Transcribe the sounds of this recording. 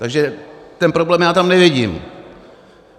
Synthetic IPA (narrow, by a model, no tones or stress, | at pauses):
t̪aɡʒɛt̪ɛnpɾoblɛːmjaːt̪amnɛvɪɟiːm